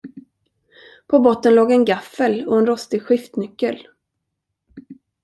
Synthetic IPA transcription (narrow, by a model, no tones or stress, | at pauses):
pʰɔbɔt̪ːənloːɡɛnɡafəlɔɛnɾɔst̪ɪɡɧɪft̪nʏkːəl